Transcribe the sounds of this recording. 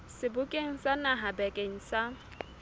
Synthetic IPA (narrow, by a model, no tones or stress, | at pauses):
sɪbʊkʼeŋ̩sanaɦabɛkʼeŋ̩sa